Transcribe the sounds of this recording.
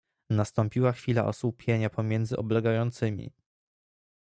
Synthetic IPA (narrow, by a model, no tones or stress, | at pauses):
nast̪ɔmpʲiwaxfʲila̰ʔɔ̰swupʲjeɲapʰɔmʲjɛnd̪zɘʔɔblɛɡajɔnt̪sɘmʲḭ